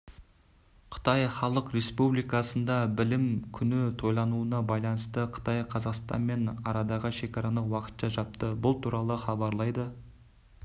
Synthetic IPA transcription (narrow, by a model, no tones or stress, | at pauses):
qʰə̥t̪ɑjχɑlˠəqɾe̞spublijkɑsənd̪ɑbɪlɪmkʲʰʏnɪt̪ʰo̞jlˠɑnuənɑbɑjlˠɑnəst̪əqʰə̥t̪ɑjqʰɑzɑqst̪ɑ̰nme̞nɑɾɑd̪ɑʁəʃe̞kɑɾɑnəwɑqə̥t̪ʃɑʒɑp̚t̪əbʊlˠt̪ʰuɾɑlˠəχɑbɑɾlˠɑjd̪ə